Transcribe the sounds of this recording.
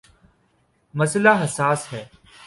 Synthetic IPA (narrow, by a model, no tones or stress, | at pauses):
mɐslaːɦɐsaːsɦɛː